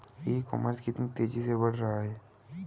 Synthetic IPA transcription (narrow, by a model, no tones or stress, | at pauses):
jeːkɔ̰ːməɾskɪt̪nit̪eːd͡ʒisebɐɽ̤ɾɐɦaɦɛː